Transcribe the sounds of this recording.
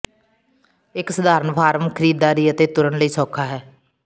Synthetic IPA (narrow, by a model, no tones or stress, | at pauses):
ɪksəd̪aːɾənpʰaːɾəmkʰəɾiːd̪ːaːɾiːət̪eːt̪ʊɾəɳləiːsɔːkʰaːɦɛː